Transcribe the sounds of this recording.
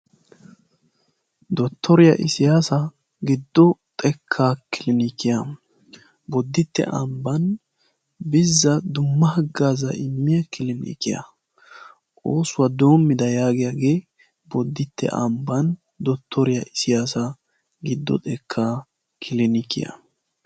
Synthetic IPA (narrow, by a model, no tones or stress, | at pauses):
d̪ɔt̪ːɔɾɪjɐ̰ʔɪsɪjaːsɐ | ɡɪd̪ːɔt̪ʼɛkʰːaːkɪlɪnikɪjɐ | bɔd̪ːɪt̪ːɛ̰ʔɐ̰mbɐn | bɪzːɐd̪ʊmːɐhɐɡːaːzɐ̰ʔɪmːɪjɐkɪlɪnḭːkɪjɐ̰ | ʔʼoːsʊwɐd̪o̞ːmːɪd̪ɐjaːɡɪjaɡe̞ː | bɔd̪ːɪt̪ːɛ̰ʔɐ̰mbɐn | d̪ɔt̪ʰːɔɾɪjɐʔɪsɪjaːsɐ | ɡɪd̪ːɔ̰t̪ʼɛkʰːaː | kʰɪlɪnɪkɪ̰jɐ̰